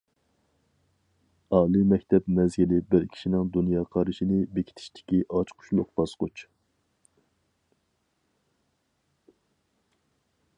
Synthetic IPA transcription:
ɑːlˠimɛkʲt̪ʰɛpmɛzɡʲilɪbɪɾkʲʰi̥ʃinɪŋd̪unjɑːqʰɑɾɨʃinɪbekʲʰi̥t̪ʰɪ̥ʃt̪ʰɪ̥kʲiʔɑt͡ʃqʰʊ̥ʃlˠʊqb̥ɑsqʊt͡ʃ

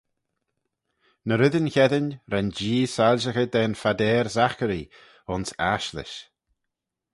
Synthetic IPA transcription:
nəɾɪðənçɛd̪ənɾɛnd͡ʒiːsalʒəxəd̪ɛnfad̪ɛːɾzaxəɾi | ʊnsaʃlɪ̰ʃ

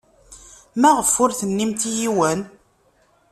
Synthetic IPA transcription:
mæʁəfːʊɾθənːimt̪ijiwən

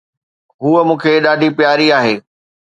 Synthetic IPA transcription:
ɦuːəmũːkʰeɗaːɖʱipjaːɾiaːɦeː

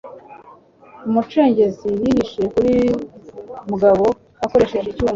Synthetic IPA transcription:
umut͡ʃe̞ːɲɟe̞ziɾiɾiʃekuɾi | muɡaβo̞ | ako̞ɾe̞ʃeʒicuːm

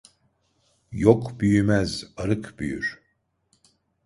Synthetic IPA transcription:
jokbyjymæzaɾɯkbyjy̰ɾ̥

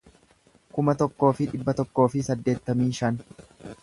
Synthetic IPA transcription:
kʊmɐt̪ɔkːo̞ːfɪᶑɪbːɐt̪ɔkːo̞ːfɪsɐd̪ːe̞ːt̪ːɐmiːʃɐn

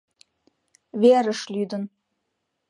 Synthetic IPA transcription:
βeɾəʃlʲyd̪ə̆n

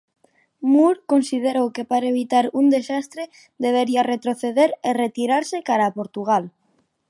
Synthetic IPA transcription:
muɾkonsið̞eɾowkepaɾaeβ̞it̪aɾund̪esast̪ɾe | d̪eβ̞eɾiaret̪ɾoθeðeɾeret̪iɾaɾsekaɾaːpoɾt̪uɣ̞al

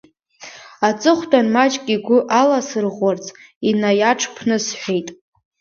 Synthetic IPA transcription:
at͡sʼɨχʷtʰʼanmat͡ʃʼkʲʼiɡʷʊʔalasɨrʁʷart͡sʼ | inajaʈ͡ʂʰpʰnɨsħʷᶣejtʼ

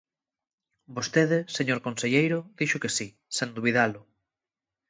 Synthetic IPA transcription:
bost̪eðɪseɲoɾkõnseʎejɾʊðiʃʊkesi | send̪uβ̞iðalʊ

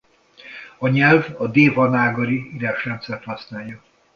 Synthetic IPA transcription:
ɒɲɛlvɒd̪eːvɒnaːɡoɾiiɾaːʃrɛnt̪sɛrt̪hɒsnaːljɒ

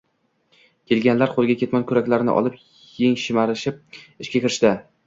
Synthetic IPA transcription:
kʲʰe̞lɡʲanlaɾqʰolˠɡʲakʲʰe̞t̪mɒnkʲʰʊɾakʲlaɾnɪ̰ʔɒ̰lˠɪp̚ | jeŋʃɪmaɾɪʃɪp̚ɪʃkʲakʲɪɾɪʃt̪a

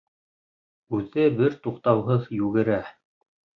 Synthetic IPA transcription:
ʉðɘbɘɾt̪uqt̪ɑwɦɤðjʉɡɘ̆ɾæ

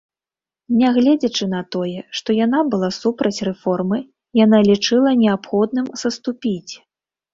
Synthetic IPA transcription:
nʲɛɣlʲɛd͡zʲɐt͡ʂɨnɐt̪ɔjɛʂt̪ɔjanabɨlˠasupɾɐt͡sʲrɛfɔrmɨ | janalʲit͡ʂɨlˠɐnʲɛapxɔd̪̚nɨmsɐst̪upʲit͡sʲ

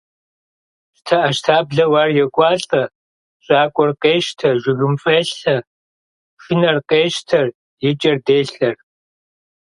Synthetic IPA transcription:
ɕtʰɐʔɐʃtʰaːbɮɐwaːrjɛkʷʼɑːɬʼɐ | ɕʼaːkʷʼɔrqeːʃtʰɐʒʷɪɣɨmfʼeːɬɐ | ʂɪnɐrqeːʃtʰɐr | jɪt͡ʃʼɐrdeːɬɐr

